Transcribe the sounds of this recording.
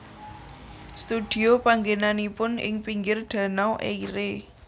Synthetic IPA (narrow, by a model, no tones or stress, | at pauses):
st̪ud̪̥i̤opaŋɡenanipʊnɪ̰ŋpiŋɡɪrɖ̪̥ä̤nawʔeiɾe